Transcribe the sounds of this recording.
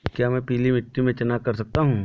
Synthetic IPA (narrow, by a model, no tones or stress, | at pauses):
kjaːmɛ̃piːlimɪʈːimẽt͡ʃɐnakɐɾsɐk̚t̪aɦũː